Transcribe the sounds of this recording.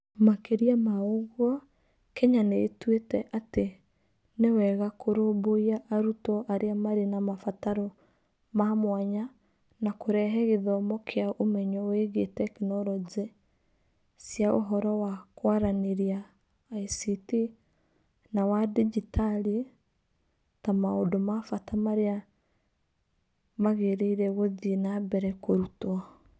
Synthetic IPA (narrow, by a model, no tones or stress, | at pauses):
makeɾiamaoɣwɔ | kɛɲaneːtwetɛʔate | newɛɣakoɾoboiaʔːɾutɔʔaɾeamaɾenamafataɾɔ | mamwaɲa | nakoɾɛɦɛɣeðɔmɔkʰeaʔomɛɲɔweɣetɛkenɔɾɔd͡ʒɛ | sjao̰ɦɔɾɔwakwaɾaneɾiaː | isiti | nawadid͡ʒitali | tamaodomafatamaɾea | maɣeɾeiɾɛɣoðinabɛɾɛkoɾutwa